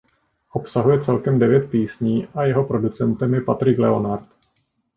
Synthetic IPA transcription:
ʔo̞psaɦujɛt͡sɛlkɛmdɛvjɛt̪̚piːsɲiːʔajɛɦo̞pɾo̞dut͡sɛnt̪ɛmjɛpat̪ɾɪklɛo̞naɾt̪

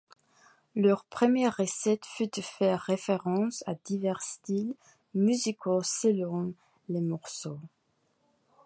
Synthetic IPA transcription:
lœʁpχəmjɛʁːəsɛt̪fyd̪əfɛʁːefeʁɑ̃sa̰d̪ivɛʁst̪il | myzikosəlɔ̃ | lemɔʁso

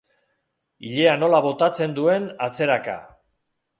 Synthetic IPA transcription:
iʎe̞ano̞laβo̞t̪at͡se̞nd̪ue̞nat͡se̞ɾaka̰

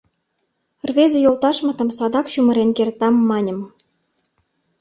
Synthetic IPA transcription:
rβezĕjolt̪ɑʃmɤ̆t̪ɤ̆msɑd̪ɑkɕumə̆ɾenkert̪ɑmːɑnʲə̆m

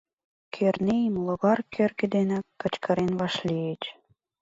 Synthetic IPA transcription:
kʰerneimloɣɑrkʰørɣĕd̪enækːə̆t͡ɕkʰɑɾenβɑʃlʲiet͡ɕ

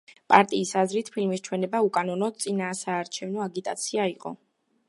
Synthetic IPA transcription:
pʼaɾt̪ʼiːsazɾit̪ʰpʰilmist͡ʃʰwɛnɛbaukʼanɔnɔd̪̚t̪sʼinaːsaːɾt͡ʃʰɛvnɔaɡit̪ʼa̰t̪sʰiaiqʼɔ̰

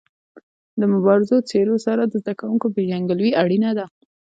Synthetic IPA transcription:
d̪əmʊbɑɾɪzot͡seɾosaɾad̪əzd̪akawuŋkobeʒaŋɡəlwiaɽinad̪a

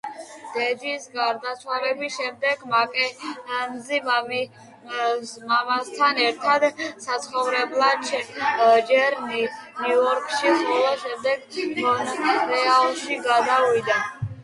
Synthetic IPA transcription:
d̪̥ɛd̪isɡaɾd̪at̪sʰwalɛbisʃɛmd̪ɛɡmakʼɛmzimam | mamast̪ʰanɛɾt̪ʰad̪sat̪sʰχɔvɾɛblˠad̪̚t͡ʃʰɛd͡ʒɛɾninuɔɾkʼʃiχɔlaʃɛmd̪ɛɡ̪ɔnɾɛalˠʃiɡad̪awid̪a

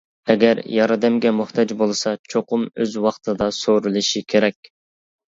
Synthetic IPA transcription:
ɛɡʲɛɾjɑɾɨd̪ɛmɡʲɛmuht̪ʰɑd͡ʒbolˠɨsɑt͡ʃʰoqʊmøzwɑχt̪ʰɨd̪ɑsoɾulˠɨʃikʲʰeɾɛkʲ

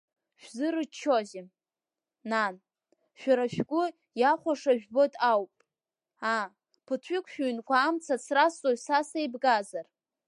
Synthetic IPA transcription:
ʃᶣzɨɾɨt͡ʃʰːozɪ | nan | ʃᶣaɾaʃᶣɡʷʊ | jaχʷaʂaʒᶣbo̞tʼawpʼ | a | pʰɨtʰᶣʏkʷʰʼʃᶣɥnkʷʰaːmt͡sʰat͡sʰrast͡sʼosasajbɡazar

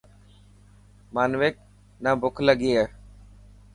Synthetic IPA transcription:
maːnʋeːk̚ | naːbʊkʰləɡiːeː

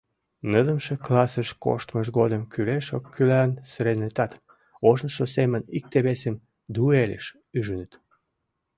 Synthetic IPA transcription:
nəd̪əmʃeklɑsəʃko̰ʃt̪məʃɣod̪əmkyleʃokʰːylænsɾenet̪ɑt̪ | oʒnəʃosemənik̚t̪eβesem | d̪uelḛʃ | yʒənət̪

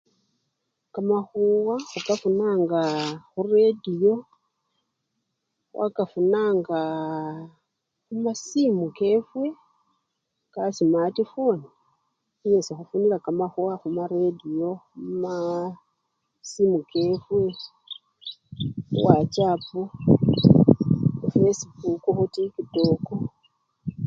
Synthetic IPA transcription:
kamaxuwaxukafunaːŋɡaxuredijo̞ | wʔa̰kafunaːŋɡa | xumasimuke̞fwe̞ | kasimatifoni | iɲesixafunilakamaxuaxumaɾedio̞uma | simukefwe | wat͡ʃapu | ufesibukuxutikitoko

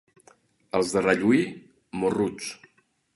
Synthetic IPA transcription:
əlˠzðərəʎui | morut͡s

